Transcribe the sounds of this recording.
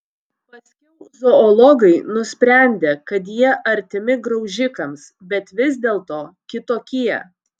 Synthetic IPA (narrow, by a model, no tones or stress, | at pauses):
pɐsʲkʲɛʊzoɔlˠɔɡɐɪnʊsʲpʲɾʲæˑnʲd̪ʲeːkɐt̪̬jiɛʔɐɾʲt̪ʲɪmʲɪɡɾɒʊʒʲɪkɐmsbʲɛt̪ʋʲɪzʲd̪ʲeːlˠt̪oːkʲɪt̪oːkʲiɛ̰